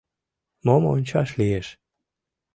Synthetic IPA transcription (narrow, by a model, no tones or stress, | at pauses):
momonʲt͡ɕɑʃlieʃ